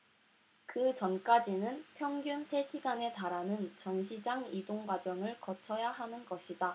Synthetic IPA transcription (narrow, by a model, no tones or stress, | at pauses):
kɯt͡ɕʌnk͈ad͡ʑinɯnpʰjʌŋɡjunsʰe̞ɕʰiɡane̞taɾanɯnt͡ɕʌnɕʰid͡ʑaŋidoŋɡwad͡ʑʌŋɯɭkʌt͡ɕʰʌjaɦanɯnɡʌɕʰida